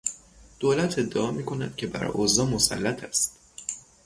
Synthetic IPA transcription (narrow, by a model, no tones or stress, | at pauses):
d̪̥oːlæt̪ʰe̞d̪ːeʔɒːmiːkʰo̞næd̪̥cʰe̞bæ̰ɾ̰ʔozɒːmosæ̰lːæt̪ʰæst̪